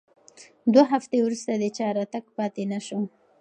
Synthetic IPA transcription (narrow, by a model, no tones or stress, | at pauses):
d̪waɦaft̪ewɾust̪ad̪ət͡ʃɑɾɑt̪aɡpɑt̪enaʃo